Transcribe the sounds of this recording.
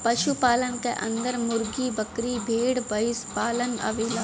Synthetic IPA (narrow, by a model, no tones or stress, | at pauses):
pɐʃupaːlənkḛʔɐ̰̃nd̪əɾmʊɾɡibəkɾibʱeːɽbɐɪspaːlənɐ̰ʋiːla